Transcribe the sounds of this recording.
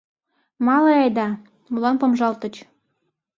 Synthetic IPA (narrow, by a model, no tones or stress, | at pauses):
mɑleɑjd̪ɑ | mulɑnpomʒɑlt̪ə̆t͡ɕ